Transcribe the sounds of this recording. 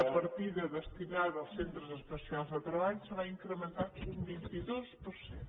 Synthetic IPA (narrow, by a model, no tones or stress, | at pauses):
əpəɾt̪iðəðəst̪inaðəlˠsent̪ɾəzəspəsialˠzðət̪ɾəβaʎusəβaiŋkɾəmə̃nt̪at̪sumbint̪iðospuɾse